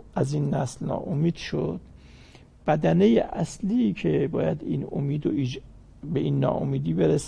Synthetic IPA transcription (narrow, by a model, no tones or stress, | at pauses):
ʔæziːnːæslnɒ̰ːʔomiːd̪̥ʃod̪̥̚ | b̥æd̪ænejeʔæsliːcʰebɒːjæd̪iːno̰miːd̪oʔid͡ʒ | beʔiːnːɒ̰ːʔo̰miːd̪iːbeɾes